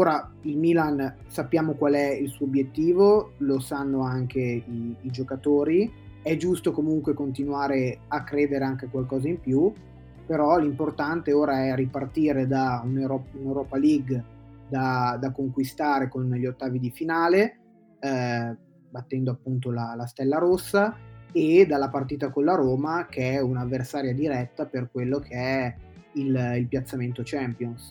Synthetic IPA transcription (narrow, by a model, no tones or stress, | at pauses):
oːɾailmiːlan | sapːjaːmokwalɛilsuːobjet̪ːiːvolosanːoaŋkeiːd͡ʒokat̪oːɾiɛd͡ʒust̪okomuŋkwekont̪inwaːɾeakːɾeːd̪eɾeaŋkekwalkɔːzaimpju | peɾɔlimport̪ant̪eoːɾaɛripart̪iːɾed̪auneɾɔpunewɾɔːpaliɡd̪ad̪akoŋkwist̪aːɾekonʎot̪ːaːvid̪ifinaːle | bat̪ːɛnd̪oapːunt̪olalast̪ɛlːaɾosːaed̪alːapart̪iːt̪akonlaɾoːmakeɛunavːersaːɾjad̪iɾɛt̪ːaperkwelːokʰeɛ | ililpjat̪sːament̪ot͡ʃɛmpjons